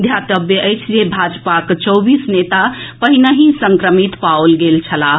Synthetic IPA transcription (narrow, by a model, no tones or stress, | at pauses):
d̪ʱjat̪əbjəʔəjt͡ʃʰd͡ʒebʱad͡ʒpakt͡ʃəwbisnet̪apəɦinəɦĩsəŋkɾəmit̪paolɡelt͡ʃʰəla